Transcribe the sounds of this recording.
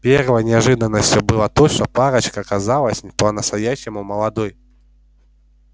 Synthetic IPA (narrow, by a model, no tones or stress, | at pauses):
pʲervəjnʲɪɐʐɨd̪ənːəsʲtʲjʊbɨlˠət̪ot͡ɕnəpaɾət͡ɕkɐɐkɐzalˠəsʲpənəst̪ɐjæɕːɪmʊməlˠɐd̪oj